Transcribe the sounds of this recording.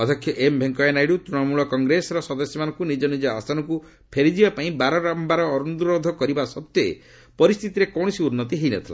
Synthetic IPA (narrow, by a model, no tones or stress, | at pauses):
ɔt̪ʰɔkʰjɔʔembʱeŋkɔenajɽut̪ɾinɔmuɭɔkɔŋɡɾesɔɾɔsɔd̪ɔsjɔmanɔ̃ŋkunid͡ʒɔnid͡ʒɔast̪ʰanɔŋku | pʰeɾid͡ʒibapaĩbaɾɔɾambaɾɔːɾunud̪uɾod̪ʱɔkɔɾibasɔt̪jɔḛ | pɔɾist̪ʰit̪iɾekɔw̃ɔsiunːɔt̪iɦejnɛt̪ʰila̰